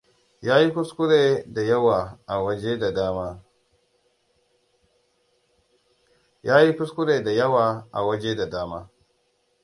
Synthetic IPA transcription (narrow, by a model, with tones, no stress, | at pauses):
jaː˦ji˦kʊ˦skʷʊ˦ɽeː˨da˨jɐ˦waː˨ʔa˨wɐ˦d͡ʒe˦da˨daː˦maː˦ | jaː˦ji˦kʷʊ˦skʷʊ˦ɽeː˨da˨jɐ˦waː˨ʔa̰˨wɐ˦d͡ʒe˦da˨daː˦maː˦